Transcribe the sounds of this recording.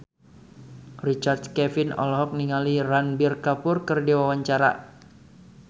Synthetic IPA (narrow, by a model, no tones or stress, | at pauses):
rit͡ʃard̪̚kɛfɪnɔ̰lɦɔk̚niŋaliranbɪrkapʊrkɨrdewawaɲt͡ʃaɾa̰